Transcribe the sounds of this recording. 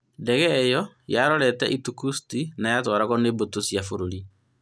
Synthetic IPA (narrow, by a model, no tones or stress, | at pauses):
ndɛɣɛjɔ | jaɾɔɾɛtɛ̰ʔitukustinajatɔɾaɣɔneːbotosjafoɾoɾi